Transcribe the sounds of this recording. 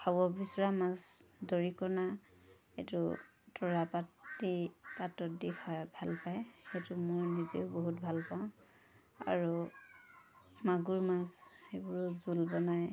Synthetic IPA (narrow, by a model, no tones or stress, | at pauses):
kʰabɔbisɔɹamazdoɹikɔna | ḛtṵ | tʰɔɹapadipatɔt̚dikʰabʱalpajxetumɔɹnizḛʊboɦutbʱalpaʊ̃ | a̰ɹu | maɡuɹmasebuɹɔzulbɔnaj